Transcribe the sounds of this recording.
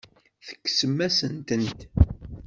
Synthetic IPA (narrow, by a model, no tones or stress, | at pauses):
θə̥kːsəmːæsənt̪ənt̪